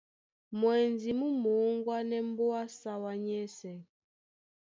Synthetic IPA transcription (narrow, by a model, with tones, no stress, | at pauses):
mwɛ˨nd͡zi˨mu˦mo˨˦ŋɡwa˦nɛ˦m˦bo˦a˦sa˦wa˨ɲɛ˦sɛ˨